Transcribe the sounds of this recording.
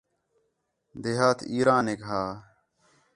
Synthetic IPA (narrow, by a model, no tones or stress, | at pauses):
d̪eɦaːt̪ʰiːɾãːneːkɦaː